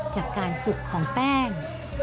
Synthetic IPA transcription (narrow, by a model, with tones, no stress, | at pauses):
t͡ɕaː˨˩kːaː˧nsu˨˩kʰːɔː˩˦ŋpɛː˥˩ŋ